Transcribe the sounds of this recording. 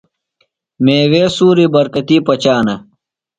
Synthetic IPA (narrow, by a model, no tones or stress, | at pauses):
meːweːsuːɾibɐɾkɐt̪iːpɐt͡ɕaːnɐ